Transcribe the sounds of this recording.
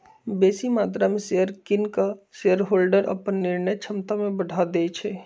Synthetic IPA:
besimat̪ɾamẽseəɾkinkaseəɾɦoːlɖəɾə̰pənːiɾnəjt͡ʃʰəmt̪amẽbəɽʱad̪ɛt͡ʃʰɛ

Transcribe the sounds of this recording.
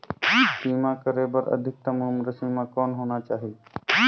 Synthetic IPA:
siːmãkəɾeːbəɾə̰d̪ʱɪk̚t̪əmʊɦʊmɾəsimãkɔːnɦoːnat͡ʃaːɦi

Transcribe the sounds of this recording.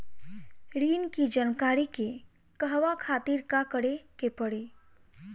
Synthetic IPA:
ɾiːnkid͡ʒənkaːɾike | kəɦʋakʰaːt̪iːɾkakəɽekepəɽe

